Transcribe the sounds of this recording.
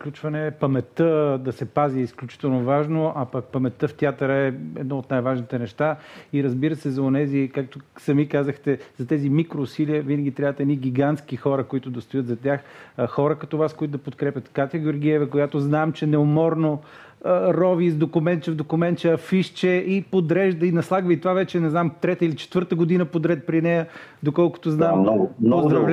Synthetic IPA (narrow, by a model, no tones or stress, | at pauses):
klʲut͡ʃvɐnɛːpɐmɛt̪əd̪ɐsɛpaziisklʲut͡ʃi̥t̪ɛlˠnovaʒnoʔɐpɐk̚pɐmɛt̪əft̪ʲiat̪əɾəɛɛ̰d̪nɔot̪najvaʒnit̪ɛnɛʃt̪aiɾɐzbiɾəsɛzɐonɛzikak̚t̪ʊsɐmikazəxt̪ɛzɐt̪ɛzimikɾoːsiliəvinɐɡʲit̪ɾʲabvət̪ɛniɡʲiɡant̪sk̟ixɔɾəkoit̪ʊd̪ɐst̪ʊjət̪zɐt̪ʲjaxxɔɾəkɐt̪ɔvaskoit̪ʊd̪ɐpot̪̚kɾɛpʲət̪kat̪ʲjəɡʲoɾɡʲiɛvəkojat̪oznamt͡ʃɛnɛomɔɾno | ɾɔvizd̪okuʊmɛnt̪t͡ʃɛvd̪okʊmɛnt̪t͡ʃɛɐfiʃt͡ʃɛʔipod̪ɾɛʒd̪əinɐslˠaɡvəit̪ovavɛt͡ʃɛnɛznamt̪ɾɛt̪əilit͡ʃɛ̥t̪vɤɾt̪əɡod̪inəpod̪ɾɛt̪̚pɾinɛjəd̪okɔlˠkʊ̥t̪oznamozd̪ɾɾɐvl